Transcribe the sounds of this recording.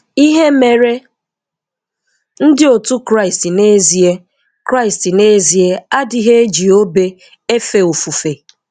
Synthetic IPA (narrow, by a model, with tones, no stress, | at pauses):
i˦ɦe˦me˨ɾe˦ | n̩˦dɪ˦o˨tu˦kɾa˦ɪ˨stɪ˨ne˦zi˨e˦ | kɾa˦i˨stne˦zi˨e˦a˦dɪ˨ɦe˦e˦d͡ʒi˨o˦be˦ | e˦fe˨u˨fu˨fe˨